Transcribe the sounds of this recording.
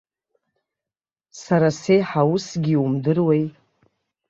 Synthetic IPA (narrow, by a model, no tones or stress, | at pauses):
saɾase̞jħawusɡʲiumdɨrwejtʼ